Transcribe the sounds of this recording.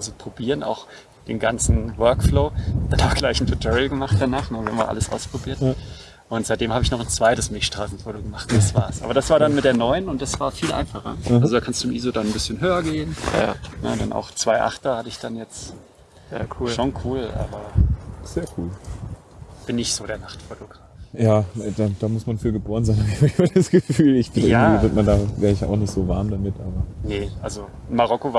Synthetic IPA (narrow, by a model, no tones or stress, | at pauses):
ʔalzopʁ̥obiːʁəna̰ʊx | d̥eːnɡant͡sn̩vœɐkfloːd̥anaʊxɡ̥laɪçn̩fʰʊtʰɔʁilɡəmaχt̚d̥anaːχnəvihamviɐʔa̰ləsʔa̰ʊspʁ̥obiːɐt | ʔʊntz̥aɪd̥eːmhaːbəɪçnɔχnt͡sv̥aɪtəsmɪʃtʁ̥aːsn̩toːɾoɡəmaχtdasv̥a̰ːɐsʔa̰ːbɐdasv̥aːɐɾanmɪt̚d̥eːɐnɔʏənʊnt̚d̥asv̥aːɐfiːlʔa̰ɪnfaχɐ̰alzodaːkʰanstd̥uːɪmʔiːzodannbɪsçənɦøːɐɡeːənnə̰dɛnʔa̰ʊxt͡sv̥aɪʔa̰χtɐhatəɪçd̥anjɛt͡stː | kʰuonkʰuːlʔa̰ːbɐz̥eːɐkʰuːl | b̥ɪnːɪçtz̥oːdeːɐnaχtfotoɡʁaːfjaːd̥ad̥aːmʊsmanfyːɐɡəboːʁənzaɪnhaɪçbad̥dasɡ̥əfyːlɪçbɪʔɪɐaɡŋ̩tːviːvɪɐtmandaːvɛːʁəɪça̰ʊxnɪçtz̥oːvaɐmdamɪtʔaːbɐnəʔalzo | maʁ̞ɔkova